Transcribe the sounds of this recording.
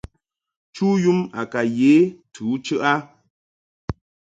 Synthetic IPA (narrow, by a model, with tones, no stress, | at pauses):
t͡ʃuː˦ju˦ma˨ka˨je˨˦tʰuː˨˦t͡ʃɨ˦ʔa˦